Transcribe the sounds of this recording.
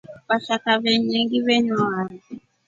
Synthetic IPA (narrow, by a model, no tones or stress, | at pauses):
waʃakaβɛɲɛŋɡiβɛɲuwan